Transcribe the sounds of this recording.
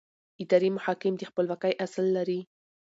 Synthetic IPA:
ɪd̪ɑɾimʊhɑkɪmd̪əxpəlwɑkajʔaslːaɾi

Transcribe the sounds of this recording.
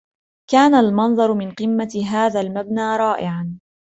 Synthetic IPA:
kaːnalmɑnðˤɑɾˤmɪnqɨmːaɦaːðaːlmabnaːɾˤɑːʔɪʕan

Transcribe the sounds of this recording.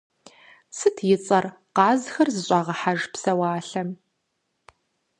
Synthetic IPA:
sɨtʰjɪt͡sʼɐr | qɑːzxɐrzɨɕʼɑʁɐħaʒpsɐwaːɬɐm

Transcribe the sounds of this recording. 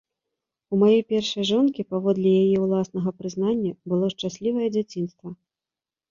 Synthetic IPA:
umajɛjpʲɛrʂɐjʐɔnkʲipavɔd̪lʲijajɛwlˠasnɐɣɐpɾɨznanʲːɐbɨlˠɔʂt͡ʂasʲlʲivɐjɛd͡zʲat͡sʲin̪st̪vɐ

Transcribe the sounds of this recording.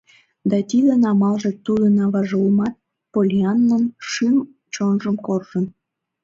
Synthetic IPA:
d̪ɑt̪id̪enɑmɑlʒĕt̪ud̪ənɑβɑʒəlmɑt̪̚ | polʲiɑnːənʃim | t͡ɕonʒəmkorʒən

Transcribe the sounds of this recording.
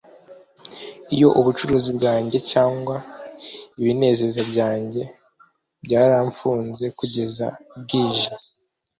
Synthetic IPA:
ijo̞ʔuβut͡ʃuɾuːzibɡaːɲɟe̞caːŋɡwa | iβine̞ːze̞zabɟaːɲɟe̞ | bɟaːɾaɱfuːnze̞kuɟe̞za̰b̚ɡiːʒa

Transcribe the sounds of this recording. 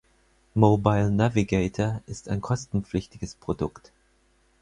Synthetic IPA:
mobaɪlnaviɡeːtʰɐʔɪstaɪnkʰɔstn̩p͡flɪçtɪɡəspʁ̥odʊkt

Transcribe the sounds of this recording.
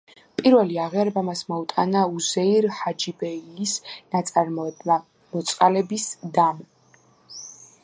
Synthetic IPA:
pʼiɾvɛliaʁiaɾɛbamasmɔut̪ʼanauzɛiɾhad͡ʒibɛilisnat̪sʼaɾɔ | mɔt̪sʼqʼalɛbisd̪am

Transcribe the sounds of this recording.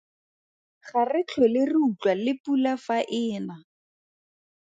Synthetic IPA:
χarɪt͡ɬʰɔlɪrɪut͡ɬwalɪpulafaʔɪːna

